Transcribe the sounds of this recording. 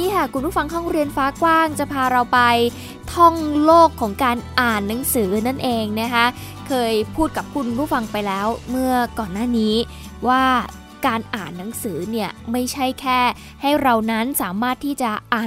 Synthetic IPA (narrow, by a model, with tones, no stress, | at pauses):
iː˦˥kʰa˥˩kʰu˧npʰuː˥˩fa˧ŋɦɔ˥˩ŋɾi˧ənfaː˦˥kwaː˥˩ŋt͡ɕa˨˩pʰaː˧ɾa˧wpa˧j | t̪ʰɔ˥˩ŋloː˥˩kʰːɔː˩˦ŋkaː˧nʔaː˨˩nːa˩˦ŋsɯː˩˦na˥˩nʔeː˧ŋna˦˥kʰa˦˥ | kʰɤː˧jpʰuː˥˩t̪̚ka˨˩p̚kʰu˧npʰuː˥˩fa˧ŋpa˧jlɛː˦˥wmɯ˥˩ɐkɔː˨˩nːaː˥˩niː˦˥ | waː˥˩ | kaː˧nʔaː˨˩nːa˩˦ŋsɯː˩˦ni˥˩ɐma˥˩jt͡ɕʰa˥˩jkʰɛː˥˩ | ha˥˩jɾa˧wna˦˥nsaː˩˦maː˥˩t̪ʰːiː˥˩t͡ɕa˨˩ʔaː˨˩